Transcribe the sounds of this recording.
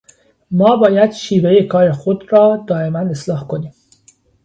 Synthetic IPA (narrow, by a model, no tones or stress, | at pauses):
mɒːbɒːjæd̪̥ʃiːveje̞kʰɒːɾexod̪ɾɒːd̪ɒːe̞mæne̞slɒːhkʰo̞niːm